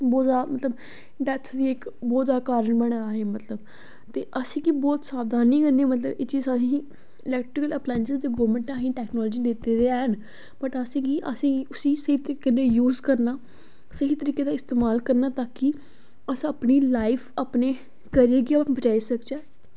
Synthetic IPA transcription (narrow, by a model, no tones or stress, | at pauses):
bɔːd̪aːmət̪ləb | ɖɛːt̪ʰd̪iːɪkbɔːt̪zaːkaːɾəɳbəɽ̃aːɦeːmət̪ləb | t̪eːʔəsĩːɡibɔːt̪saːbd̪aːnĩːkəɾniːmət̪ləbḛːt͡ʃiːzasĩ | ɪlɛːk̚ʈɾɪkələːplaːnʃəzd̪eːɡɔːʋmə̃ɳʈaːɦĩːʈɛːknɔːlːd͡ʒiːd̪ɪt̪eːɾeːaːɦən | b̥əʈəsĩːɡiːʔə̰sĩːɡiʊsĩːsəɦiːt̪əɾiːkeneːjuːzkəɾnaː | səɦiːt̪əɾiːkeːd̪aːɪst̪eːmaːlkəɾnaːt̪aːki | əsaːpniːlaːɪpʰaːpneː | kəɾeːɡiaːbət͡ʃaːiːsəkd͡ʒaː